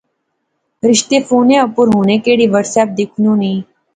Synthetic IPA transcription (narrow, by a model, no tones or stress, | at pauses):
ɾɪʃt̪eːfoːnẽːəpʊɾɦoːneːkeːɽiːʋəɾsɛːp̚d̪ɪkʰnũːnĩː